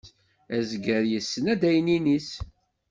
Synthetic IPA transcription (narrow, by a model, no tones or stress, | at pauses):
æzɡəɾjəsːənæd̪æjninis